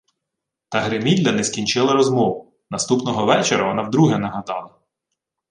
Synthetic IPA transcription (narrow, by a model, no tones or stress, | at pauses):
t̪ɐɦɾemʲid̪ʲlʲɐnɛsʲkʲinʲt͡ʃɪlˠɐɾɔzmɔʋʊ | nɐst̪upnɔɦɔʋɛt͡ʃeɾɐʋɔnɑwd̪ɾuɦɛnɐɦɐd̪ɑlˠɐ